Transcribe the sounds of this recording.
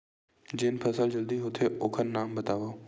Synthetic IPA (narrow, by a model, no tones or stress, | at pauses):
d͡ʑɪːnpʰɐsəld͡ʒəld̪iɦʊt̪ʰeʔoːkʰənːaːmbɐt̪aːʋoː